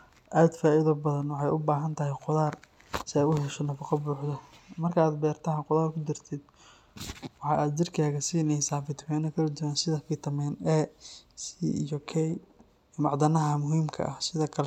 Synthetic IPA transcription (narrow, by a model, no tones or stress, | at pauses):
ʔaːd̪faːɪðɔbɐðɐnwɑħɑjʔʊbaːɦɐnt̪ʰɐɦɛjqʊðaːr | sɪɛjʊhɛʃɔnɐfɑqɑbuːħðɐmɐrkʰɐaːd̪bɛːrt̪ʰɐːqʊðaːrkʰʊd̪ɪrt̪ʰɪd̪ | wɑħɑːʔaːd̪̚d͡ʒɪrkʰaːɣɐsinɛsaːbɪt̪ʰwɛːnɐkʰɐlɐd̪ʊwaːnsɪðɐkʰɪt̪ʰɐmɛːnɛːsijɔkʰɛj | mɑʕd̪ɐnɐɦɐmʊɦiːmkʰɐ̰ʔɐhsɪðɐkʰɐl